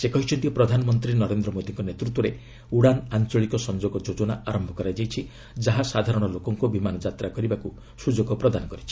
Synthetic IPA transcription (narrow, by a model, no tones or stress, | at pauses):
sekɔɦit͡ʃʰɔnt̪ijupɾɔd̪ʱanɔmɔnt̪ɾinɔɾend̪ɾɔmod̪iŋkɔnet̪ɾut̪ːwɔɾe | uɽanant͡ʃɔɭikɔsɔnd͡ʒoɡɔd͡ʒod͡ʒɔnaaɾɔmbʱɔkɔɾajd͡ʒajt͡ʃʰi | d͡ʒaɦasad̪ʱaɾɔɽ̃ɔlokɔŋkubimanɔd͡ʒat̪ɾakɔɾibaku | sud͡ʒoɡɔpɾɔd̪anɔkɔɾit͡ʃʰi̥